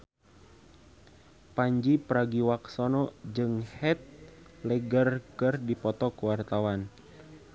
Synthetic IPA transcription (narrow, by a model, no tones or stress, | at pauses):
paɲd͡ʒipəɾaɡiwaksɔnɔd͡ʒɨŋhɛt̪̚lɛɡərkɨrdipɔt̪ɔkuwart̪awan